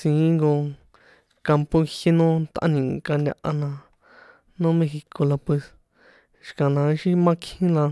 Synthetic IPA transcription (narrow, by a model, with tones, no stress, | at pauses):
sĩː˨˦ŋɡo˧ | ka˧mpo˧i˧hi˦nõ˦t̪ʔã̰˦nĩ˨ka˧nd̪ʲa̰˧ʔa˧nã˧ | nõː˦mẽ˧xi˧ko˧la˧pwe˧s | ʃi̥˧kã˨nã˧ʃi˦mã˦kʰĩ˦la˧